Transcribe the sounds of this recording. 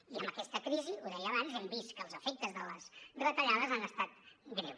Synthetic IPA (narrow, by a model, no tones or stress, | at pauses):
iəmbəkɛst̪əkɾiziuðɛjəβanzɛmbist̪̚kəːlˠzəfɛk̚t̪əzðələsrət̪əʎaðəzanəst̪at̪̚ɡɾḛw